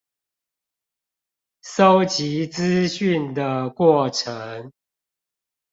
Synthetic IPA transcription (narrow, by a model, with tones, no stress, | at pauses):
so˦ʊt͡ɕi˨˦t͡sɹ̩˦ɕy˥˨nd̪ə˨kwɔ˥˩ʈ͡ʂʰə˨˦ŋ